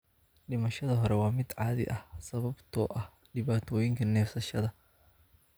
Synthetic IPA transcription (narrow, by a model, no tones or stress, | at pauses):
ɖɪmɐʃɐðɐɦɔɾɛwɑːmɪd̪ʕɑːðɪ̰ʔɐhsɐβɐbt̪ʰɔ̰ːʔɐh | ɖɪβaːt̪ʰɔːjɪŋkʰɐnɛːfsɐʃɐðɐ